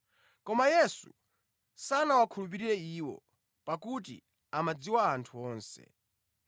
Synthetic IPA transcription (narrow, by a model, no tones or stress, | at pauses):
kɔmajɛsu | sanawakʰulup̬iɾiɾɛiːwɔ̰ | pakut̬ḭ | amad͡ziwaːntʰuɔːnsɛ̰